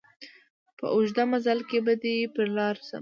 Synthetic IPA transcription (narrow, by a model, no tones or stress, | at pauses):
pə̰ʔʊʒd̪amazalkebad̪əpəɾlɑɾsa̰